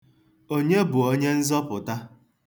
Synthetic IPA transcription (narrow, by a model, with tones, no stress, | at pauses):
o˦ɲe˦bʊ˨o˦ɲe˦n̩˦zɔ˦pʊ˨ta˦